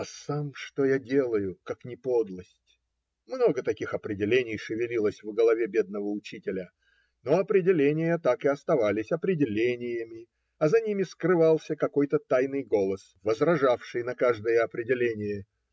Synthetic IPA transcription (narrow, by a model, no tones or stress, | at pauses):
ɐsamʂt̪ojadʲe̞lˠəjʊkaknʲɪpo̞d̪lˠəsʲtʲ | mno̞ɡət̪ɐkʲixɐpɾʲɪdʲɪlʲenʲɪjʂɨvʲɪlʲilˠəsʲvɡəlˠɐvʲebʲe̞d̪̚nəvəʊt͡ɕitʲɪlʲə | noɐpɾʲɪdʲɪlʲenʲɪjət̪akɨɐst̪ɐvalʲɪsʲɐpɾʲɪdʲɪlʲenʲɪjəmʲɪ | ɐzɐnʲimʲɪskrɨvalˠsʲəkɐko̞jt̪ət̪ajnɨjɡo̞lˠəsvəzrɐʐafʂɨjnɐkaʐd̪əjəɐpɾʲɪdʲɪlʲenʲɪjə